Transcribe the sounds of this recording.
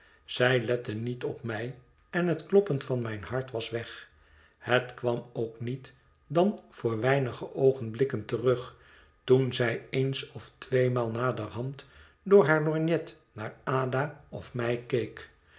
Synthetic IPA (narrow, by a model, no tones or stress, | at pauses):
z̥ɛjlɛtənitɔpmɛj | ɛnɦətklɔpəntfɑnmɛjnɦɑɹtʋɑsʋɛχ | hətkʋɑmowknit | dɑnv̥ʊːɹʋɛjnəχəʔowχənblɪkəntərɵχ | tunzɛjensɔftʋejmaːlˠnaːdərɦɑnt | dʊːɹɦaːɹlɔɹnjɛt | naːɹaːdaɔfmɛjkejk